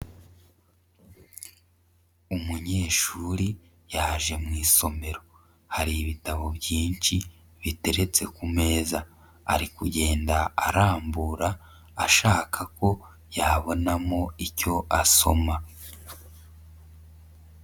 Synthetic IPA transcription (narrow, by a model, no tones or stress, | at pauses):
umuɲe̞ːʃuɾi | jaʒe̞mŋiːso̞me̞ɾo̞ | haɾiːβitaβo̞bjiːnt͡ʃi | βite̞ɾe̞t͡se̞kume̞ːza | a̰ɾikuɟe̞ːndaaɾaːmbuɾaː | ʃaːkʰako̞ | jaβo̞namo̞ico̞ʔaso̞̰ma